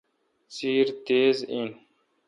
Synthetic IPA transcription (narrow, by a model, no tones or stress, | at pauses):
t͡siːɾt̪eːzin